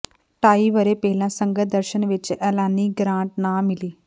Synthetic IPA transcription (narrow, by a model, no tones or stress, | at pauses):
ʈaːiːʋəɾeːpɛːlãːsəŋɡət̪̚d̪əɾʃənʋɪt͡ʃɛːlaːniːɡɾãːɳʈ̚nãːmɪliː